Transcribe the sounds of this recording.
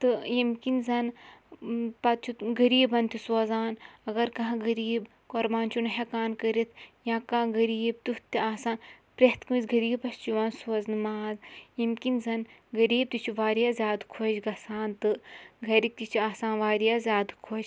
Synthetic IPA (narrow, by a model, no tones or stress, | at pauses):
t̪ɨjimkinzɐn | pɐt̪̚t͡ʃʰut̪ɡɐɾiːbɐnt̪isoːzaːnɐɡɐɾkɐɦãɡɐɾiːb | koɾbaːnt͡ʃʰunɐɦekaːnkɐɾit̪ʰjãːkãːɡɐɾiːb̚t̪ut̪ʲiaːsaːnpɾeɦt̪kumizɡɐɾiːbpɐst͡ʃiʋaːnsoːznɨmaːzjimkinzɐnɡɐɾiːb̚t̪ut͡ʃʰuʋaːɾijaːzʲjaːd̪kʰot͡ʃɡɐsaːnt̪ɨɡʱɐɾik̚t̪it͡ʃʰuaːsaːnʋaːɾjaːzʲjaːd̪kʰoːd͡ʒ